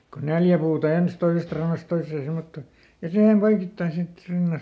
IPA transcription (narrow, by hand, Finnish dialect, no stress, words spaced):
ko neljæ puːtɑ ens toisest rɑnːɑst toisˑeː semːotːoˑ jɑ sihem poikitːɑin sit